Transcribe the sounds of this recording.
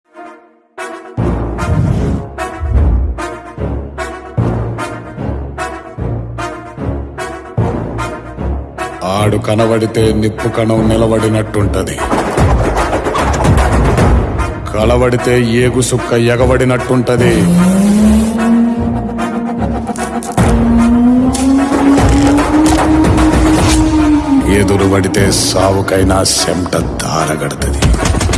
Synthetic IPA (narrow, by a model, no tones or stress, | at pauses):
aːɽukɐnɐʋɐɽit̪e̞ːnepːukɐnɐmnilɐʋɐɽinɐʈːuɳʈɐd̪ḭ | kʰɐlɐʋɐɽit̪e̞ːjeːɡusukːɐjɛɡɐʋɐɽinɐʈːuɳʈɐd̪i | eːd̪uɾuʋɐɽit̪e̞ːsaːʋukɐjnaːsɐ̰mʈɐd̪ʱaːɾɐɡɐɽut̪ɐd̪i